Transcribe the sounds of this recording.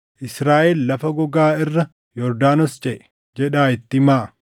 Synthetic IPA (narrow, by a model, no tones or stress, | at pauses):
ʔɪsɾaːʔɛllɐfɐɡɔɡaːɪrːɐ | jɔɾd̪aːnɔst͡ʃʼɛʔɛ̥ | d͡ʒɛᶑaːɪt̪ːɪmaːʔ